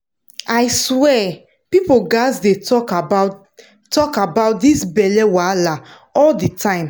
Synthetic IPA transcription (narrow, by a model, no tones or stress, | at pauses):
aɪswɛ | pipoɡasdetɔkaba | tːɔkabaʊt̚disbɛlɛwala | ɔlditʰãɪ̃m